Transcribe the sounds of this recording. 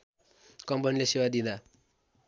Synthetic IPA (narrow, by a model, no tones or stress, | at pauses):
kʌmpʌnilesewad̪ĩd̪a